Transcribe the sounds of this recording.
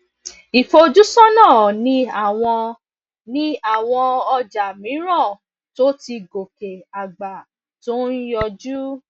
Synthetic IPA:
i˨fo˧d͡ʒu˦sɔ˦nãː˦˨nĩ˦a˦˨w̃ɔ̃˧ | nĩ˦a˦˨w̃ɔ̃˧ɔ˧d͡ʒa˨mĩ˨˦ɾɔ̃˦˨ | to˦ti˧ɡo˨ke˨a˨ɡ͡ba˨ | to˦n̩˦jɔ˧d͡ʒu˦

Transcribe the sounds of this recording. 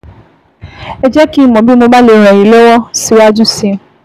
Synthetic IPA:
e˨d͡ʒɛ˦ki˦˨mɔ˨bi˦mʊ̃˦ɡ͡ba˦le˨ɾa˨ji˨lo˦wɔ˦si˨wa˦d͡ʒu˦si˦˨

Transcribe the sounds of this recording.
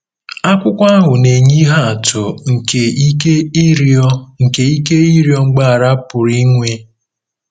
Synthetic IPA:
a˦kʷʊ˦kʷa˦a˦ɦʊ˨ne˨ɲi˦ɦa˦a˨tʊ˨ŋ̩˨ke˨i˦ke˦ɾɔ˦ŋ̩˨ke˨i˦ke˦i˦ɾjɔ˦ŋ͡m̩˦ɡ͡ba˦a˨ɾa˦pʊ˨ɾi˦ŋʷe˦

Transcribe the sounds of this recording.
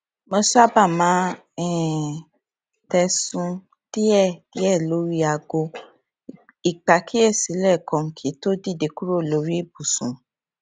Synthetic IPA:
mɔ̃˧su˦a˦ba˦˨mãː˨˦ | ɛ˦˨ | tɛ˧sũ˧ | ti˦ɛ˦˨˦ɛ˦˨lo˨˦ɾi˦a˧ɡo˧ | i˨k͡pa˨kʰi˦ɛ˦˨si˨˦lɛ˦˨kɔ̃˧ŋ̩˨kʰi˨˦to˦di˦˨de˧ku˦ɾo˦˨lo˨˦ɾi˦˨bu˨sũ˨

